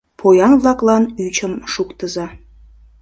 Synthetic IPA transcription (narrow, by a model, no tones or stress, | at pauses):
pʰojɑnvlɑklɑnyt͡ɕəmʃukt̪əzɑ